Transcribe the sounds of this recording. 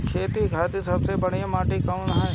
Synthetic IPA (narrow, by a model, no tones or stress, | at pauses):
kʰeːt̪ikʰaːt̪isɐbsebɐɽ̤imaːʈikɐmnɐɦã